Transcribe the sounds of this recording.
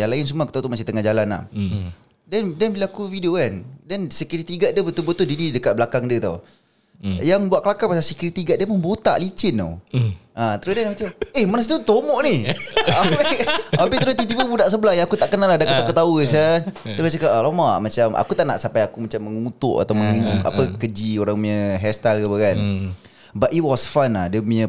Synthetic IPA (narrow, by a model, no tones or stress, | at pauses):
jaŋlaɪnsumakut̪aut̪umasit̪əŋahd͡ʒalana̰h | dɛndanbilaakufideokandɛnsəkuɾit̪iɡaʔ̪̚dəbət̪ulbət̪udinidəkat̪̚blakaŋdət̪au | jaŋbwaʔ̚kəlakapasasəkuɾit̪iɡat̪ʔ̚dəpənbot̪a̰ʔlit͡ʃɪno̰ʔat̪əɾʊsdanmat͡ʃamehmanas̬it̪ut̪omɔʔniapiapiʔt̪əɾʊst̪it̪̬ibəbudaʔs̬əbəlaɦjaŋakut̪aʔkənaladakət̪akət̪ausət̪ɾast͡ʃəkaʔlomaʔmat͡ʃamʔa̰kut̪aʔna̰ʔsampajakumat͡ʃamːəŋut̪ʊʔa̰t̪awməŋiɲuŋa̰pəkəd͡ʒioɾaŋmaɲəɦɛst̪alkapəkan | baʔiwɔsfana̰hdəmuɲə